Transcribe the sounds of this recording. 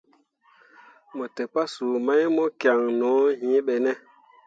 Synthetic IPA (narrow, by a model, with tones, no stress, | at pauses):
mo˨te˨pa˦su˨ma˦jmo˦kja˨ŋnɔ̃˨˦hĩ˨˦ɓɛ˨nɛ˦